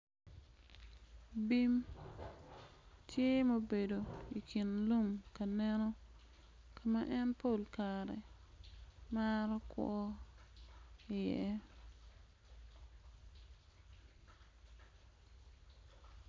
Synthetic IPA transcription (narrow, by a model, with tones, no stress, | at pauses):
bi˦m | tʰje˦mo˦be˨do˨i˨kʰi˨nlu˦˨mka˨nɛ˦nɔ˦ | kʰa˨ma˦ʔɛ˦npʰo˦˨lkaɾɛ̰˨ | ma˦ɾɔ˦kwɔ̰˦ | ɪ˨jɛ̰˨